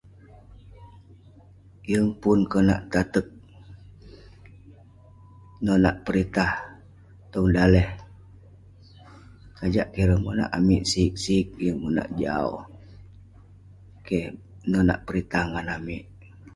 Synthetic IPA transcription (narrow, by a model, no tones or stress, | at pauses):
jəŋpunkəna̰ʔt̪at̪ək̚ | nonaʔpəɾit̪ah | t̪ɔŋdalɛh | kad͡ʒaʔkeɾəŋmuna̰ʔamiʔsik̚sik̚jəŋmuna̰ʔd͡ʒa̰o̰ | ke | nona̰ʔpəɾit̪ahŋanamiʔ